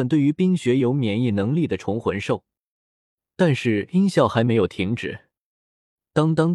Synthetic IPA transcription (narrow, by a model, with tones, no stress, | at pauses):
nt̪we˥˩ɪy˧˥pi˥ŋɕɥɛ˧˥jo˧˥ʊmjɛ˧˥ni˥˩nɤ˧˥ŋli˥˩d̪ə˩ʈ͡ʂʰʊ˧˥ŋxwə˧˥nʂo˥˩ʊ | t̪a˥˧nʂɻ̩˥˩i˥nɕjɑ˥˩ʊxa˧˥ɪme˧˥ɪjo˨˩ʊt̪ʰi˧˥ŋʈ͡ʂɻ̩˨˩˦ | t̪ɑ˥ŋt̪ɑ˥ŋ